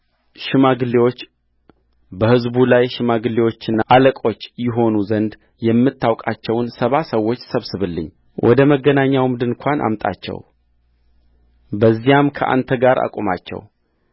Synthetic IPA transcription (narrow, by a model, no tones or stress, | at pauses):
ʃɪmaɡɨlːewo̞t͡ʃː | bəhɨzbulajʃɪmaɡɨlːewo̞t͡ʃːɨnːaʔaləkʼo̞t͡ʃːjɪɦo̞nuzənd̪ | jɛmːɨt̪ːawkʼat͡ʃːɛwnsəβasəwːo̞t͡ʃːsəβsɨβɨlːɨ̰ɲː | wʔɔ̰d̪əməɡːənaɲːawmd̪ɨnkʷʰanʔa̰mt̪ʼa̰t͡ʃːɛ̰w | bəzːijamkʰəʔa̰nt̪ʰəɡaɾa̰kʼumat͡ʃːɛ̰w